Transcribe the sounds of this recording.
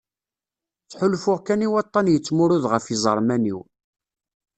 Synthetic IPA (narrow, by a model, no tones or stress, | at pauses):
θħʊlfʊʁkæniwɑt̪ˤːɑnjət͡sːmʊɾʊðʁəfizˤə̰ɾˤmænḭw